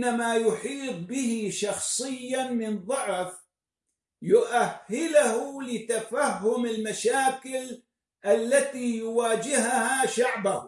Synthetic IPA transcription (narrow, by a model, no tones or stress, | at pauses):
nːamajʊħiːt̪̚ˤbɪɦɪʃɑxsˤɨɪjːamɪnðˤɑʕf | jʊʔahːɪlahulɪt̪afahːʊmɪlmaʃaːkɪl | ʔalːat̪iːjʊwaːd͡ʒɪɦhaʃaʕbah